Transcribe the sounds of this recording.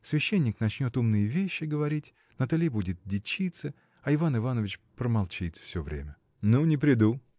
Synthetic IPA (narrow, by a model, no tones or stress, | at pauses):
svʲɪɕːenʲːɪknɐt͡ɕnʲo̞t̪umnɨjəvʲeɕːɪɡəvɐɾʲitʲ | nət̪ɐlʲibudʲɪt̪̚dʲɪt͡ɕːit̪sɨ | ɐɪvanɨvanəvʲɪt͡ɕpɾəmɐlˠt͡ɕit̪fsʲovɾʲḛmʲə | nunʲɪpɾʲɪd̪u